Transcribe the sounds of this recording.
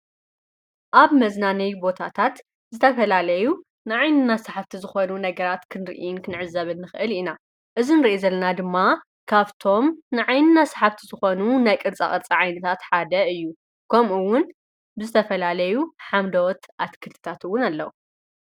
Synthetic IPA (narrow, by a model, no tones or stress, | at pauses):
ʔaβmɐznanɐjbo̞t̪ʰat̪ʰat̪ | zɨt̪ʰɐfɐlalɐju | nɨʕajnɨnasaħaft̪ʰizɨxo̞nunɐɡɐɾat̪kʰɨnɾʔijɪnkʰɨnʕɨzɐβɨnːɨxɨʔɨlina | ʔɨzinɨɾiʔizɐlːɐnad̪ɨmːa | kʰaβt̪ʰo̞mnɨʕajnɨnasḁħaft̪ʰizɨxo̞nunajkʼɨɾt͡sʼa̰χʼɨɾt͡sʼiʕajnɐt̪ʰat̪ħad̪ɐɨjːu | kʰɐmuwːʊn | bɨzɨt̪ʰɐfɐlalɐjuħamd̪ɐwɔt̪ʔat̪kʰɨlt̪ʰɨ̥t̪ʰat̪ɨwːʊnalːɐwu